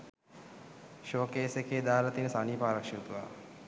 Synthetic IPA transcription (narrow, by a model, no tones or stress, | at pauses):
ʃoːkeːsekeːd̪aːlət̪inəsaniːpaːɾakʂiut̪uʋa̰